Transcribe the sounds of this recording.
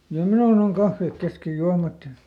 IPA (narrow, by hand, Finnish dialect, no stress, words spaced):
jɑ minun oŋ kɑfːeˑk keskej juɑmɑt jɑ